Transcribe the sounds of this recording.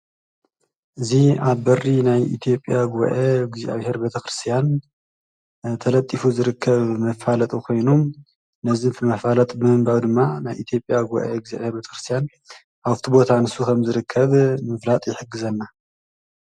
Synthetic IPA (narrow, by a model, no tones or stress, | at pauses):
ʔɨziaβbɐrinajḭt̪ʰijo̞pʼjaɡuβ̰ʔeɡizḭʔa̰βhe̞ɾbet̪ʰɐxɾɨst̪ʰijan | t̪ʰɐlɐt̪ʼːifuzɨɾɨkʰːɐβmɐfalɐt̪ʼukʰo̞jnum | nɐzɨnt̪ʰɨmɐfalɐt̪ʼbɨmɨmbaβd̪ɨmːanajʔit̪ʰjo̞pʼjaɡuβ̰ʔeɡza̰βheɾbet̪ʰɐ̥xɾɨst̪ʰjan | aβt̪ʰibo̞t̪ʰanɨsukʰɐmzɨɾɨkʰːɐβmɨflat̪ʼjɪħɨɡɨzɐnːa